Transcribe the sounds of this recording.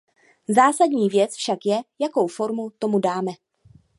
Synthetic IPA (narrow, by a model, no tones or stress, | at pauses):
zaːsadɲiːvjɛt͡sfʃakjɛjako̞wfo̞ɾmut̪o̞mudaːmɛ